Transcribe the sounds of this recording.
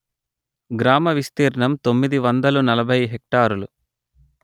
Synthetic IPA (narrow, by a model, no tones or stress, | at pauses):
ɡɾaːmɐʋist̪iːɾɐɳɐmt̪o̞mːid̪iʋɐnd̪ɐlunɐlɐbʱɐjɦek̚ʈaːɾulu